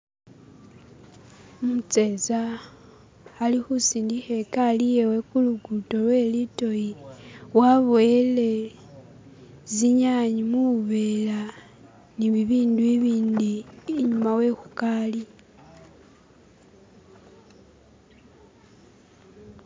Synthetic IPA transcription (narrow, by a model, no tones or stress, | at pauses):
mut͡se̞za | lixusiːndixe̞kalijewe̞kuluɡuto̞lwe̞lito̞jiwaβoele̞ | ziɲaɲimuuβe̞la | niβiβiːnduiβiːndiːɲumawe̞xukali